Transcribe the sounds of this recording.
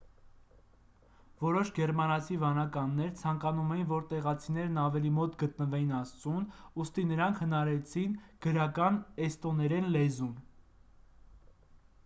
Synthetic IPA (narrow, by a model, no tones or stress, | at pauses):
vɔɾɔʃɡɛɾmɑnɑt͡sʰivɑnɑkɑnːɛɾt͡sʰɑŋkɑnumɛjinvɔɾt̪ɛʁɑt͡sʰinɛɾnɑvɛlimɔt̪ɡət̪̚nəvɛjinɑst͡sunust̪inəɾɑŋkʰhənɑɾɛt͡sʰinɡ̥əɾɑkɑnɛst̪ɔnɛɾɛnlɛzun